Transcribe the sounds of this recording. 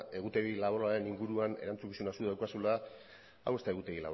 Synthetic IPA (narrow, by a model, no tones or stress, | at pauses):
e̞ɣut̪eðilaβ̞o̞ɾaɾe̞niŋɡuɾuane̞̰ɾant͡sukisunasuðawkasula | a̰we̞st̪ae̞ɣ̞ut̪eβila̰